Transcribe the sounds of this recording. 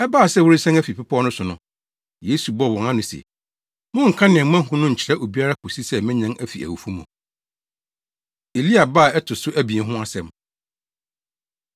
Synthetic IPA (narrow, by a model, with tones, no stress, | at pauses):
ɛ˦baː˦˨sɛ˦˨wʊ˦ɾi˦sɛ̃˦næ˦fi˨pʰɪ˦pʰɔ˦nʊ̃˦sʊ̃˨nʊ̃˨˦ | je˦su˨bɔ˦˨wɔ̃˨ŋã˦nʊ̃˨sɛ̰˨ | mʊ̃˦ŋ̩˨kʰã˦nɪ̃˨ɛ̃˨˦mã˦˨ɦʊ̃˦nʊ̃˦ɲ̩˨t͡ɕʰɪ˨ɾɛ˦ʔo˨bi˦a˦ɾa˦kʰʊ˨si˦sɛ˦mɪ̃˦ɲã˦ŋʔæ˦fḭ˨ʔæ̰˨wu˨fu˦mʊ̃˨ | e˨li˦a˨ba˦˨ɛ˦tʰʊ˨sʊ˦ʔæ˦bĩ˨ɛ̃˦ɦʊ̃˦a˦sɛ̃˨m